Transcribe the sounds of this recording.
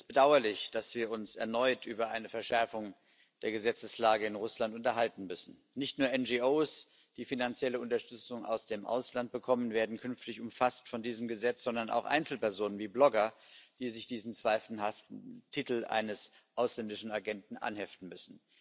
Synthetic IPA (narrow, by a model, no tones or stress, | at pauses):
ɪstb̥ədaʊɐlɪçd̥asv̥iːɐʊnsɛɐnɔʏtʔyːbɐʔaɪnəfɛɐʃɛɐfʊŋ | d̥eːɐɡəzɛt͡səslaːɡəɪnʁʊslantʊntɐɦaltn̩mʏsn̩ | nɪçtnuːɐɛnd͡ʒiʔoːs | d̥iːfinant͡sjɛləʊntɐʃtʏt͡sʊŋa̰ʊsd̥eːmʔa̰ʊslant̚b̥əkʰɔmənveːɐdn̩kʰʏnftɪçʊmfastfɔndiːzəmɡəzɛt͡sz̥ɔndɐna̰ʊxʔa̰ɪnt͡sl̩pɛɐzoːnənviːblɔɡɐd̥iːzɪçd̥iːzn̩t͡sv̥aɪfhaftn̩tʰitl̩ʔa̰ɪnəs | ʔaʊslɛndɪʃn̩aɡɛntn̩ʔa̰nhɛftn̩mʏsn̩